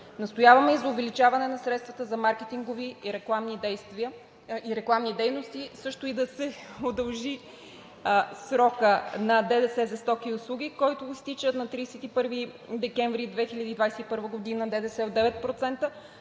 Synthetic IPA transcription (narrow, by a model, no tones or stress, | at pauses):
nɐst̪ojavɐmɛizɐʊvɛlit͡ʃavɐnɛnɐsɾɛt̪st̪vɐt̪əzɐmaɾkɛt̪iŋɡoviɾɛklˠamnid̪ɛjst̪viə | iɾɛklˠamnid̪ɛjnost̪isɤʃt̪ʊid̪ɐsɛod̪ɐlˠʒi | sɾɔkənɐd̪ɛd̪ɛsɛzɐst̪ɔkiʊslˠuɡ̟ʲikɔjt̪ʊːst̪it͡ʃət̪nɐt̪ɾiːsɛt̪ipɤɾvi | d̪ɛkɛɱvɾid̪vɛxiʎʲɐd̪iːd̪vajsɛipɤɾvəɡod̪inəd̪ɛd̪ɛsɛod̪ɛvɛt̪̚pɾot̪sɛnt̪ə